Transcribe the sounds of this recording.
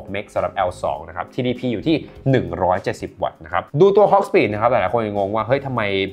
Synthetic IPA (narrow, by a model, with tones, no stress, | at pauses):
p̚me˦˥k̚sa˨˩˦ɾa˨˩p̚ʔɛ˧wsɔ̰ː˩˦ŋna˦˥kʰa˦˥p̚t̪ʰiː˧diː˧pʰiː˧juː˨˩t̪ʰiː˥˩nɯ˨˩ŋɾɔː˦˥jt͡ɕe˨˩t̪̚si˨˩p̚wa̰˨˩t̪̚na˦˥kʰa˦˥p̚duː˧t̪u˧ɐɦɔ˦˥k̚spiː˨˩t̪̚na˦˥kʰa˦˥pt̪ɛː˨˩lːkʰo˧nja˨˩ŋo˧ŋwaː˥˩ɦɤ˦˥jt̪ʰa˧mːa˧j